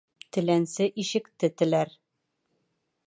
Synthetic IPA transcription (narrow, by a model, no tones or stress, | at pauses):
t̪ɘ̆lænsɘʔiʃɘ̆kt̪ɘt̪ɘ̆læɾ